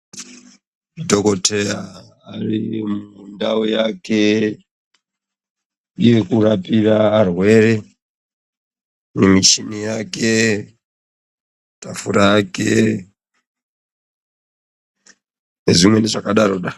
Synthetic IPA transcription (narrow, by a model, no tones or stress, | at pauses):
dʱokotʰejaː | rimundaojake | ijekurapiraːrwe̞ɾe | nimit͡ʃinijake | tafuɾajake | ne̞zimweneʐakaɗaɾoɗa